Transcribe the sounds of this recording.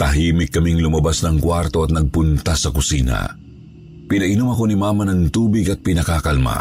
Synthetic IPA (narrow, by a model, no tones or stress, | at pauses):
t̪ɐɦiːmɪkːɐmiŋlʊmɐbasnɐŋkwaɾt̪oɐt̪̚nɐɡ̚pʊnt̪asɐkʊsiːna̰ | pɪnɐʔɪnʊmɐko̞nimaːmɐnɐŋt̪uːbɪɡɐt̪̚pɪnɐkakɐlma̰